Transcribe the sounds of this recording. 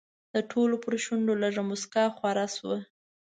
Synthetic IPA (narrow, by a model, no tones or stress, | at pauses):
d̪̥əʈʰolopəɾʃuɳɖolaʐamʊskɑxwaɾɑswə